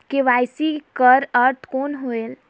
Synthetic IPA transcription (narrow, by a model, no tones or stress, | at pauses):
keʋaːɪsikəɾəɾt̪ʰkoːnɦoːel